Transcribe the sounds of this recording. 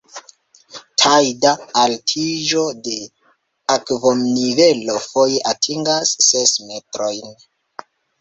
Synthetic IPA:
tʰajdaːltʰid͡ʒo̞de̞ | akvomnive̞lo̞fojeʔatʰiŋɡasːe̞sme̞tɾo̞jn

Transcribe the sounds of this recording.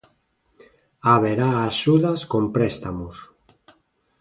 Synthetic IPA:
aβeɾaːʃuðaskompɾest̪amus

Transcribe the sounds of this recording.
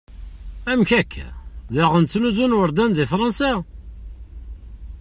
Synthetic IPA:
æmçækʰːæ̰ðɪʁənt͡sːnuzunwəɾˤd̪ænðifɾˤɑnsa

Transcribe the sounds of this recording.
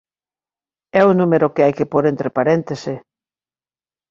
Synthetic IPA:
ɛunũmeɾokɪajkepoɾent̪ɾepaɾent̪ese

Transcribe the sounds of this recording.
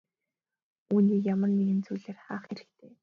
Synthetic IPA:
uːniːkjamə̆rneɣɘ̆nt͡sujɮeːrχaːχxeɾɘ̆kt̪ʰeː

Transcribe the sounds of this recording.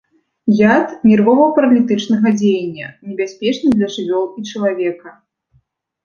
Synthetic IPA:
jat̪mʲirvɔvɐpɐɾɐlʲit̪ɨt͡ʂnɐɣɐd͡zʲejɐnʲːɐ̰nʲɛbʲasʲpʲɛt͡ʂnɨd̪lʲɐʐɨvʲɔlˠit͡ʂɐlˠavʲɛkɐ

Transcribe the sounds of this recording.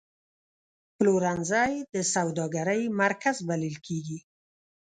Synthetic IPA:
ploɾanzɑjd̪əsawd̪ɑɡaɾəjmaɾkazbalilkʰeɡi

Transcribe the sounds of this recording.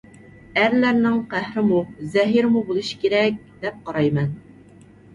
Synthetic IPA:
æɾlæɾnɪŋqʰæhɾɪmuzɛɦiɾmubolˠuʃi̥kʲeɾɛk̚ʲd̪̥ɛp̚qɑɾɑjmɛn

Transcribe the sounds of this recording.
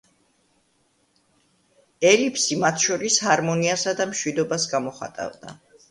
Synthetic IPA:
ɛlipʰsimat̪ʰʃɔɾishaɾmɔniasad̪amʃwid̪ɔbasɡamɔχa̰t̪ʼa̰vd̪a̰

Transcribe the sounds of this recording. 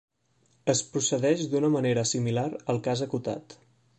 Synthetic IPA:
əspɾusəðɛʃd̪unəməneɾəsimilaɾəlˠkazəkut̪a̰t̪

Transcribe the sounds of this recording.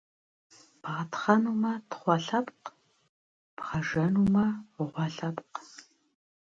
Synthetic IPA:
b̥ʁɐtχɐnuːmɐtχʷɑɬɐpq | pʁɐʒɐnuːmɐʁʷɔɬɐpq

